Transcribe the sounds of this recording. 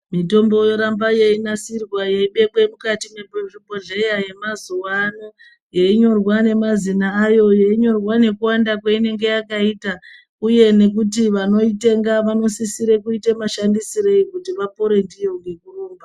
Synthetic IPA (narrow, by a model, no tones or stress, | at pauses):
mito̞mbo̞jo̞ɾambajeinasirwajeiɓe̞ɓwe̞mukatimweeʐibʱo̞ɮe̞jaje̞mazuwano̞ | jeiɲo̞rwane̞mazinaːjo̞jeiɲo̞rwane̞kuwandak̬waine̞ŋɡe̞jakaita | uje̞ne̞k̬utiʋano̞ite̞ŋɡaʋano̞sisiɾekuitemaʃandisiɾe̞ikutiʋapoɾendijoŋɡekuroːmba